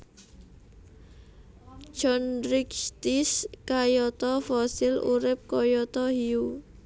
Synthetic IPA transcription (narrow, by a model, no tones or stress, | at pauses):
d͡ʒɔndɾɪkst̪iskajɔt̪ɔfɔsɪlṵɾɪp̚kɔjɔt̪ɔhiu